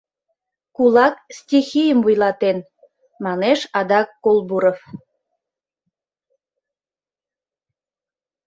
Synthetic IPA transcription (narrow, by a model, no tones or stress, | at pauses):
kulɑkstʲixijəmvujlɑt̪en | mɑneʃɑd̪ɑkːolˠbuɾof